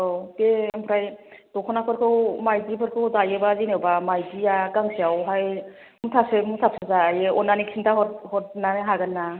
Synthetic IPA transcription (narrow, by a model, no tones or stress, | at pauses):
ɔteempʰɾajdɔkʰɔnapʰɯɾkʰɯwmajdipʰɯɾkʰɯwdajebazinɯwbamajzijaɡaŋsijawɦaj | mutʰap̚semutʰap̚sezajeɔnaniksʰintʰaɦɔthɔt̚naneɦaɡɯnːa